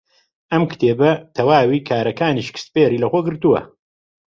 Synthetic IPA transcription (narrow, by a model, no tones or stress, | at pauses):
ʔɐmkt̪ʰeːbɐt̪ʰɐwaːwikʰaːɾɐkaːniʃkʰɨ̥st̪peːɾiːlɐxoːɡɨɾt̪uwɐ̰